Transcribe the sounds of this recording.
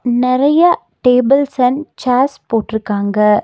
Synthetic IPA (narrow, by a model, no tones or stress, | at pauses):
nɪɾɐjɐ | ʈeːbɪlsɐnt͡ʃaːspoːʈːɪɾɯkːaːŋɡɐ